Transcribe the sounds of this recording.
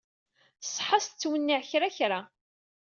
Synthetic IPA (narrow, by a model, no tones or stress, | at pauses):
sˤːħɑst͡sːwənːiʕçɾaçɾa